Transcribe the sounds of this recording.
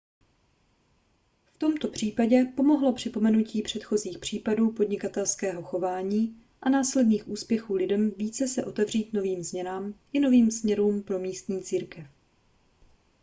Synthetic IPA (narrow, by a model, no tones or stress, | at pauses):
ft̪o̞mt̪o̞pr̝̥iːpaɟɛpo̞mo̞ɦlo̞pr̝̥ɪpo̞mɛnuciːpr̥ɛt̪xo̞ziːxpr̝̥iːpaduːpo̞dɲɪkat̪ɛlskɛːɦo̞xo̞vaːɲiː | ʔanaːslɛdniːxʔuːspjɛxuːlɪdɛmviːt͡sɛsɛʔo̞t̪ɛvr̝iːt̪no̞viːmzmɲɛnaːmʔɪno̞viːmsmɲɛɾuːmpɾo̞miːst̪ɲiːt͡siːɾkɛf